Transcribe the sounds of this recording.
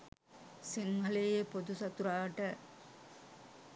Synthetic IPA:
siŋɡɐleepod̪usɐt̪uɾaːʈə

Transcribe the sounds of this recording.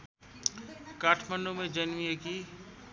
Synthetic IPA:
kaːʈʰmənɖumẽd͡ʒənmijeki

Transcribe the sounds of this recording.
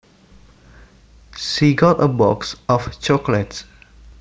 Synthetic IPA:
ʃiɡɔtəbɔ̰ksɔft͡ʃɔklət

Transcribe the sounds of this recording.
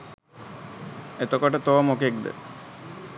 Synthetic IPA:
et̪okoʈət̪oʋəmokek̚d̪ə̰

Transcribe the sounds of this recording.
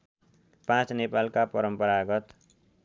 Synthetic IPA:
pãt͡snepalkapʌɾʌmpʌɾaɡʌt̪

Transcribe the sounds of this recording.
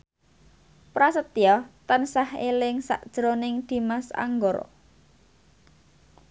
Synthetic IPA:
pɾasət̪iɔt̪ənsahelɪŋsa̰ʔd̥ʒ̥ɾonɪŋd̪̥i̤masa̰ŋɡɔr

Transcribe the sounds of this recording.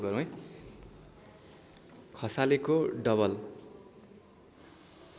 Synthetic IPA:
ɡʌɾũj | kʰʌsalekoɖʌβʌl

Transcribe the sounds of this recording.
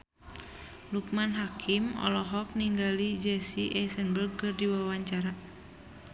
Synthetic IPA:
luk̚manɦakʰimɔ̰lɔɦɔk̚niŋɡalid͡ʒɛsiʔɛsənbərɡ̚kɨrdiwawaɲt͡ʃaɾa

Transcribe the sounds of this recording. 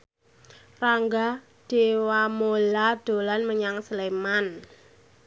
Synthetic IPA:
raŋɡa | d̥ewamolad̥o̤lanməɲaŋsəleman

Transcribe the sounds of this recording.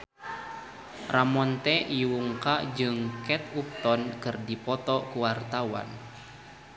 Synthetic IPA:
rʔamɔnt̪ɛʔiwuŋkad͡ʒɨŋkɛt̪̚up̚t̪ɔnkɨrdipɔt̪ɔkuwart̪awa̰n

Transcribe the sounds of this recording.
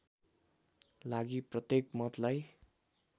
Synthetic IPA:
laɡiprʌt̪jekmʌt̪laj

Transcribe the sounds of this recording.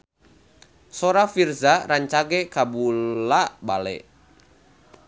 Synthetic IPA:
sɔɾafirzaɾaɲt͡ʃaɡɛkabulabalɛ̰

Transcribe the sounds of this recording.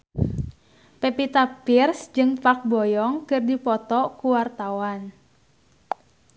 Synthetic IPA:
pepit̪apirsd͡ʒɨŋpak̚bɔjɔŋkɨrdipɔt̪ɔkuwart̪awan

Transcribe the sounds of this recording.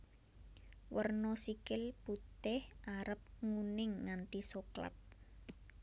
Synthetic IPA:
wʔərnɔsikɪlput̪ɪhʔaɾəp̚ŋunɪŋːant̪isokla̰t̪̚

